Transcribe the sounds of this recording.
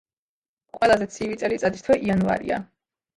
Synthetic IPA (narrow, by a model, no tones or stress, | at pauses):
qʼwɛlˠazɛt̪sʰivit̪sʼɛlit̪sʼad̪ist̪ʰwɛʔianva̰ɾḭa̰